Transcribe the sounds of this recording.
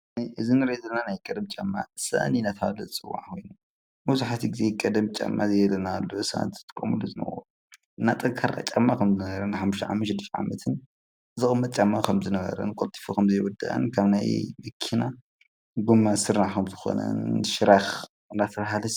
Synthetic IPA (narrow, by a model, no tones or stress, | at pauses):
niʔɨzinɨɾezɐlnanajkʼɐd̪mt͡ʃʼamːa̰sa̰ʔninat̪ʰalɐt͡sʼɨwːa̰ʕkʰo̞jnu | muzuħat̪ʰiɡɨzekʼɐd̪ɐmt͡ʃʼa̰mːazejɛlɐnalːoɨsaʔa̰nz̥ɨt̪ʼɨ̥kʼːɐmuluzɨnɐ̰wo̰ | ɨnːat̪ʼɐŋkʰaɾa̰t͡ʃʼamːakʰɐmzɨnɐβɐɾɐnħamːuʃt̪ɐʕa̰mʃɨd̪iʃʕa̰mɐt̪ʰɨn | zɨxʼɨmːɐt̪̚ʼt͡ʃʼamːakʰɐmzɨnɐβɐ̰ɾɐ̰nkʼolt̪ʰʼi̥fokʰɐmzɐjwɔd̪a̰ʔɐ̰nkʰaβnajmɐkʰːina | ɡumːasɨɾnakʰɐmzɨxo̞̰nɐ̰nʃɨɾax | ɨnat̪ʰɐβɦalɐ